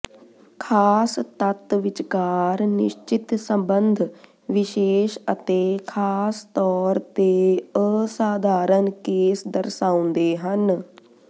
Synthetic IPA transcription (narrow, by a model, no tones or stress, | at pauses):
kʰaːst̪ət̪ʋɪt͡ʃkaːɾnɪʃt͡ʃɪt̪səmbənd̪ʱ | ʋɪʃeːʃət̪eːkʰaːst̪ɔːɾt̪eːəsaːd̪ʱaːɾənkeːsd̪əɾsaːʊ̃nd̪eːɦən